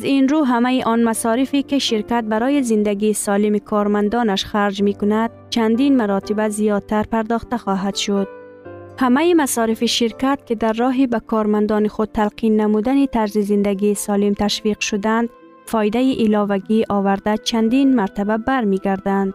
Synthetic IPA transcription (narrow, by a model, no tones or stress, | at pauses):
azinɾuɦamaiʔɔnmasɒɾifikiʃiɾkat̪̚baɾɔːjizind̪aɡiːsɒlimikʰɒɾmand̪ɒːnaʃxaɾd͡ʒmikʊnad̪̥̚t͡ʃʰand̪inmaɾɒt̪ibazijɒd̪̚t̪ʰaɾpaɾd̪ɒχt̪axɔɦad̪̥ʃʊd̪̚ | hamaimasɒːɾifiʃiɾkat̪̚kid̪aɾːɒːɦibakʰɒɾmand̪ɒnixud̪̚t̪ʰalqʰinːamud̪anit̪ʰaɾzizind̪aɡiːsɒːlimt̪ʰaʃviqʃʊd̪and̪ | fɒjd̪ajiʔilɒːvaɡiʔɒːvaɾd̪at͡ʃʰand̪inmaɾt̪ababaɾmiɡaɾd̪and̪